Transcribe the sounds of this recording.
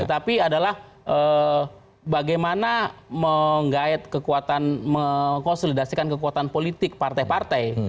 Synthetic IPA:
ət̪apiadalah | ʔə | baɡajmanaməŋɡaɛt̪̚kəkuat̪anməkonsolidasikankəkuat̪anpolit̪ɪk̚part̪ajpart̪aj

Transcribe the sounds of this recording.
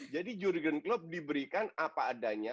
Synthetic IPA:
d͡ʒadid͡ʒuɾɡənklʊp̚dibəɾikanapaːdaɲa

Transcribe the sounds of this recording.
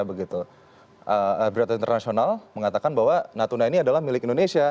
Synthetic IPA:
bəɡit̪u | ʔəəbɾat̪aint̪ərnasionalməŋat̪akanbaɦwanat̪unainiadalahmilɪkindonesia

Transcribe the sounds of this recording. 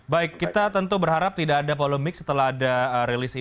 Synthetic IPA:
baɪkːit̪at̪ənt̪ubərɦaɾap̚t̪idaːdapoləmɪk̚sə̥t̪əlaɦadaəɾelisi

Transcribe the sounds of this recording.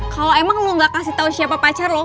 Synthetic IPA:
kaloemaŋloŋɡakasiht̪ausiapapat͡ʃarlɔ

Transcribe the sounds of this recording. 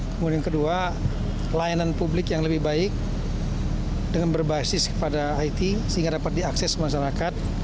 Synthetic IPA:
kəmudiankədua | lajananpublɪkjaŋləbɪhbaɪk̚ | dəŋanbərbasɪskə̥padaːit̪isəɦiŋɡadapat̪̚diaksɛsmaʃ̬aɾakat̪̚

